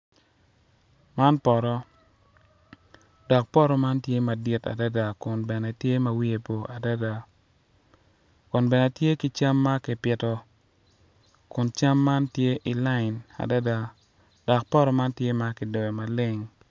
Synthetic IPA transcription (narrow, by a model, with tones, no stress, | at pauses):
ma˦npɔ˨ɾɔ˦ | dɔ˨k̚pɔ˦ɾɔ˦ma˦ntje˦ma˨dɪ˦ta̰˨da˦da˨kʊ˨nbɛ˨nɛ˨tje˦mɐ˨wi˦e˨po˨ʔa˨da˦da˨ | kʊ˨nbɛ˨nɛ˨tje˦ki˦t͡ʃa˦mːa˦kɪ˨pɪ˨tɔ˦ | kʊ˨nt͡ʃa˦mːa˦ntje˦ʔi˨la˦ɪ˨na̰˨da˦da˨ | d̥ɔ˨k̚pɔ˦ɾɔ˦ma˦ntje˦ma˦kɪ˨dɔ˨ɛ˨ma˨lɪ˦ŋ